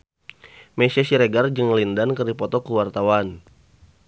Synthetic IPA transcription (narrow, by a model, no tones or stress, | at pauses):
mɛsiasiɾɛɡard͡ʒɨŋlindankərdipɔt̪ɔkuwart̪awan